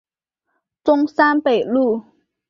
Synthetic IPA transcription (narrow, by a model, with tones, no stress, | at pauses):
t͡sʊ˥ŋsa˥npe˨˩ɪlu˥˩